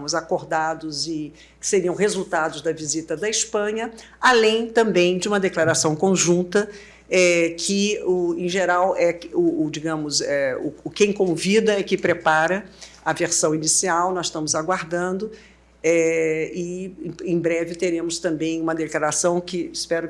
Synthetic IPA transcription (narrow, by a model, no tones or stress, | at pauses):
mʊzakoɾd̪ad̪ʊzɪ | kɪ̥seɾiɐ̃w̃ɦezuwt̪ad̪ʊzd̪ɐvizit̪ɐd̪ɐispɐ̃ɲɐ | alẽj̃t̪ɐ̃mbẽj̃d͡ʒɪũmɐd̪eklaɾasɐ̃w̃kõʒũnt̪ɐ | ɛkʰɪʊẽj̃ʒeɾawɛʊd͡ʒiɡɐ̃mʊzɛʊ̰ːkẽj̃kõvid̪ɐɪkɪpɾepaɾɐ | ɐveɾsɐ̃w̃inisiawnɔsʃt̪ɐ̃mʊzaɡwaɾd̪ɐ̃nd̪ʊ | ɛɪẽj̃bɾɛvɪt̪eɾẽmʊst̪ɐ̃mbẽj̃ũmɐd̪eklaɾasɐ̃w̃kɪspɛɾʊ